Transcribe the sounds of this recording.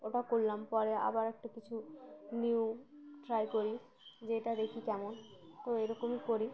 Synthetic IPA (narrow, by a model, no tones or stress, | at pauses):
oʈakolːampɔɾea̰baɾek̚ʈakit͡ɕʰuniwʈɾajkoɾi | d͡ʑeʈad̪ekʰikɛmont̪oejɾɔkomikoɾi